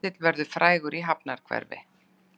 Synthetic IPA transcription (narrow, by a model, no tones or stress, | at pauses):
ɪt̪lvɛɾðʏfɾʔaːjɣʏɾʔiɦapnaɾ̥kʰvɛ̰ɾvɪ̰